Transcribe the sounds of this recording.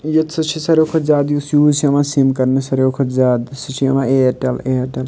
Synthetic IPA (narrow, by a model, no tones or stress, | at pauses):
jɐt̪sʰɐt͡ʃʰisɐɾjokʰozaːd̪jusjuːsʰiɐmãsimkɐɾnesɐɾokʰozaːd̪sit͡ʃʰiɐmãeʈɐleʈɐl